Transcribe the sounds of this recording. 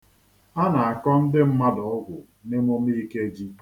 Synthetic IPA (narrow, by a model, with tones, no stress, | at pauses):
a˦na˨a˨kɔ˦n̩˦dɪ˦m̩˦ma˦dɔ˨ʊ˦ɡʷʊ˨ | ne˦mo˦mi˦ke˦d͡ʒi˦